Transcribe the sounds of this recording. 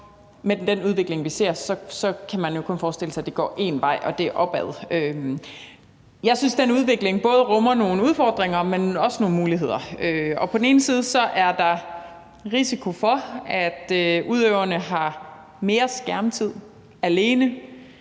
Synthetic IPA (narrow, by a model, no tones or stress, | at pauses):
medd̥enuð̞ˠʋe̝ɡ̥le̝ŋʋise̝ɐ̰sɒ̽sɒ̽kʰæmænjo̝kʰɔ̽nfɒːsd̥e̝l̰əsɑ̈d̥e̝ɡ̥ɒ̰ːʔe̝̰nʋɑ̈ɪ̰ʔɒ̽d̥e̝ʔɒ̽b̥ɛð̞ˠø | jɑ̈ɪsynsd̥enəuð̞ˠʋe̝ɡ̥le̝ŋb̥ɔ̽ːð̞ˠʁɔ̽mɐno̝ːnəuð̞ˠfɒ̰ːd̥ʁeŋɐmenɒ̽sno̝ːn̩muːliɦe̝ð̞̰ˠɐøɒ̽pʰɒ̽den̩e̝ːn̩siːð̞ˠsɒ̽ʔæɐd̥ɑ̈ | ʁisikʰo̝fɒ̽æd̥øuð̞ˠøʊ̰ɐnəɦɑ̈ | me̝ːɐsɡ̥æɐmt͡sʰið̞̰ˠ | æle̝ːnə